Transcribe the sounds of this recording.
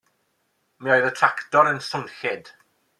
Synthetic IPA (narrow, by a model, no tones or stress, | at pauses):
miɔɨðətʰraktɔɾənsəŋɬɪd̥